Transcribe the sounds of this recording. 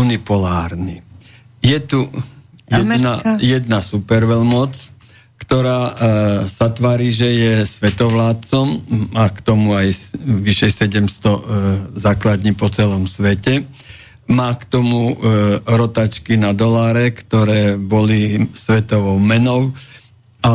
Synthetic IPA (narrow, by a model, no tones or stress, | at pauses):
unipɔlaːɾni | jɛt̪ujɛnajɛd̪nasupɛɾʋɛlmɔt͡s | kt̪ɔɾaːz̥at̪ʋaːɾiːʒɛjɛsʋɛt̪ɔʋlaːt͡sɔmmaːkt̪ɔmuajʋiʃɛjsɛɟɛmst̪ɔzaːklad̪ɲiːpɔt͡sɛlɔmsʋɛcɛ | maːkt̪ɔmu | ɾɔt̪at͡ʃkinad̪ɔlaːɾɛkt̪ɔɾɛːbɔlisʋɛt̪ɔʋɔʊmɛnɔʊ | a